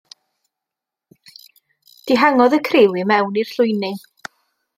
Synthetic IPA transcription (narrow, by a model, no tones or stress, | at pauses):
d̥iɦaŋɔðəkʰrɪwɨmɛwnir̥ɬʊjnɪ